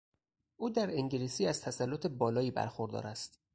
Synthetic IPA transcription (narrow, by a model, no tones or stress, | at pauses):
ʔuːd̪æɾeŋɟilisiːæz̥t̪ʰæsælːot̪ʰe̞bɒːlɒːiːbæ̰ɾxoɾd̪ɒ̰ːɾæst̪